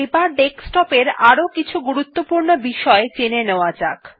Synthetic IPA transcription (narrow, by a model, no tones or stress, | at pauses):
ebaɾɖeksʈɔpeɾaɾokit͡ɕʰuɡuɾut̪ːopuɾnobiʃɔet͡ɕeneneoad͡ʑak